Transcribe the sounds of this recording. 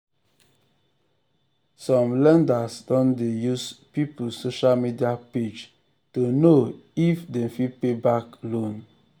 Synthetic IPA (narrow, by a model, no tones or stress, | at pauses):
sɔ̃mlɛ̃ndasdɔ̃ndejuspipusoʃalmidiaped͡ʒ | tonoifdɛ̃mfipebaklõn